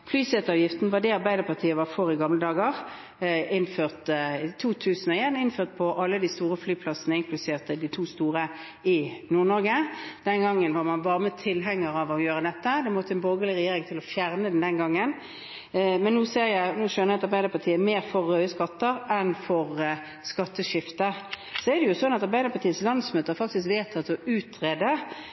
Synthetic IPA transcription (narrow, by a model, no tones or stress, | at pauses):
flyːsɛːt̪ɑːʋjɪft̪n̩ʋɑʁd̪ɛɑɾbæɪd̪əʁpʰɑt̪ʰiːəʋɑɾfɔɾɪɡɑmləd̪ɑːɡəʁ | ɪnføːʁt̪ɪt̪ʰuːt̪ʰʉːsən̩ɔeːnɪnføːʁt̪̚pʰɔʔɑlːəd̪ist̪uːɾəflyːpʰlɑsənəɪŋklʉseːʁt̪əd̪ɪt̪ʰuːst̪uːʁə | ɪnuːʁnɔɾɡəd̪̥ɛnɡɑŋːənʋɑʁmɑnbɑːʁəmət̪ʰɪlɦɛŋːəɾɑʋɔjøːʁəd̪ɛt̪ːəd̪ɛmɔt̪ːəɛnboːɡəlɪʁɛjeːɾɪŋt̪ʰɪlɔfjæʁnəd̪ɛnd̪ɛnɡɑŋːən | mɛnːuːseːɾjæɪnuːʃœnəɛɑt̪ɑɾbæɪd̪əɾpʰɑt̪ʰiːəmeːɾfɔʁːœʏəskɑt̪ːəɾɛnfɔʁ | skɑt̪ːəʃɪft̪ə | sɔɛd̪ɛjʊsɔnɑt̪ɑɾbæɪd̪əɾpɑt̪iːət̪slɑnd̪smøːt̪ːəʁfɑk̚t̪ɪskʋeːt̪ʰɑt̪ːɔʔʉːt̪ʰʁeːd̪ə